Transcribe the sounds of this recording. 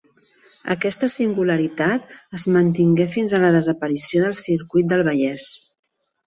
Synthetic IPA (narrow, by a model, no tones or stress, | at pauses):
ə̰kɛst̪əsiŋɡuləɾit̪at̪əzmənt̪iŋɡefinzələðəzəpəɾisioðəlˠsiɾkujt̪̚d̪əlˠβ̞əʎɛs